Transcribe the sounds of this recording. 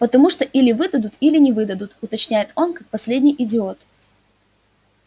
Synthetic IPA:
pət̪ɐmuʂt̪oʔilʲɪvɨd̪əd̪ʊt̪ilʲɪnʲɪvɨd̪əd̪ʊt̪ʊt̪ɐt͡ɕnʲæjɪt̪o̞nkak̚pɐsʲlʲedʲnʲɪjʔɪdʲɪo̞t̪

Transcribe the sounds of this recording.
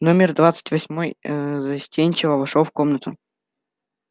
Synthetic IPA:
nomʲɪrd̪vat̪sɨ̥tʲvɐsʲmojzɐsʲtʲenʲt͡ɕɪvəvɐʂofkomnət̪ʊ

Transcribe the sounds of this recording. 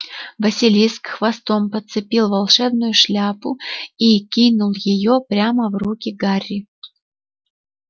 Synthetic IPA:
vəsʲɪlʲijskxvɐst̪ompət̪sɨpʲilˠvɐlˠʂɛbnʊjʊʂlʲapʊikʲinʊlˠjɪjopɾʲaməvrukʲɪɡarʲːɪ

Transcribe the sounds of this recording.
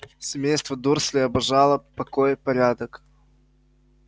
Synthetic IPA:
sʲɪmʲejst̪vəd̪ursʲlʲɪɐbɐʐalˠəpɐkojpɐɾʲad̪ək

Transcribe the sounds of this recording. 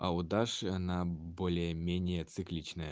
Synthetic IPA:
ɑ̰ud̪ɑʂənɑbolʲemʲenʲɪjet͡sɨklʲit͡ɕnə̆

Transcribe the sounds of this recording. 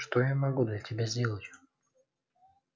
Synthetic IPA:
ʂt̪ojamɐɡud̪lʲətʲɪbʲazʲdʲelˠətʲ

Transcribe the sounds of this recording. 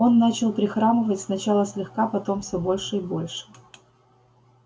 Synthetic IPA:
o̞nːat͡ɕɪlˠpɾʲɪxɾaməvətʲsnɐt͡ɕalˠəsʲlʲɪxkapɐt̪o̞mfsʲobo̞lʲʂɨɪbo̞lʲʂɨ̥

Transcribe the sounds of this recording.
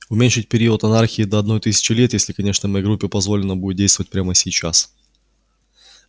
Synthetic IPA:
ʊmʲenʲʂɨt̚ʲpʲɪɾʲiʊət̪ɐnarxʲɪːd̪əɐd̪no̞jt̪ɨsʲɪ̥t͡ɕɪlʲet̪jesʲlʲɪkɐnʲe̞ʂnəmɐjeɡɾupʲːɪpɐzvo̞lʲɪnəbudʲɪt̪dʲejst̪vəvət̚ʲpɾʲaməsʲɪjt͡ɕas

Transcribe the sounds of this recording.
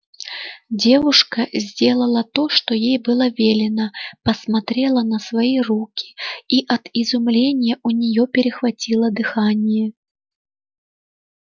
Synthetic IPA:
d͡zʲevuʂkɐzʲd͡zʲelˠɐlˠɐt̪oʂt̪ɔjejbɨlˠɐvʲelʲɪnəpɐsmat̪ɾʲelˠɐnɐsvajirukʲi̥iʔɐt̪izumlʲenʲɪjɛʔunʲɪjɔpʲɪɾʲɪxvat͡sʲilˠəd̪ɨxanʲɪjɛ

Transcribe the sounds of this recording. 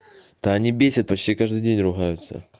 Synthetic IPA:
t̪ɐɐnʲibʲesʲət̪̚pɐt͡ɕtʲikaʐd̪ɨjdʲenʲrʊɣajʊt̪sə̰

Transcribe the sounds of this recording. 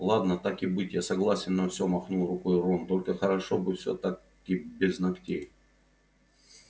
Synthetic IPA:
lˠad̪nət̪akɪbɨtʲjasɐɡlˠasʲɪnːɐfsʲomɐxnulˠrʊkojromt̪olʲkəxəɾɐʂobɨfsʲo̰t̪ak | ɪbʲɪznɐktʲej

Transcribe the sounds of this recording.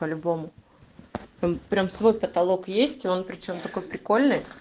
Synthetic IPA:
pəlʲʊbo̞mʊ | ompːɾʲamsvo̞jpət̪ɐlˠo̞kjesʲtʲɪo̞npɾʲɪt͡ɕo̞mt̪ɐko̞jpɾʲɪko̞lʲnɨj

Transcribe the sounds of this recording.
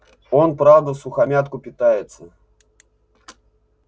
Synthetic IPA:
o̞npɾavd̪əsʊxɐmʲat̪kʊpʲɪt̪ajɪt̪sə

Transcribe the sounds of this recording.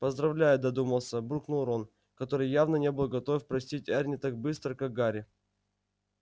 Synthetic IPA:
pəzd̪ɾɐvlʲæjʊd̪ɐd̪uməlˠsʲəbuknulˠɾon | kɐt̪oɾɨjjːavnənʲe̞bɨlˠɡɐt̪ofʲpɾɐsʲtʲitʲarʲnʲɪt̪ak̚bɨst̪ɾəkak̚ɡaɾʲɪ

